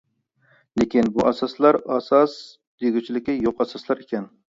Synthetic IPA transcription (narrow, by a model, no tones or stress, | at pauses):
lekʲinbuʔɑsɑslˠɑɾɑsɑs | d̪̥eɡʲyt͡ʃʰilɪkʲijoqɑsɑslˠɑɾekʲɛn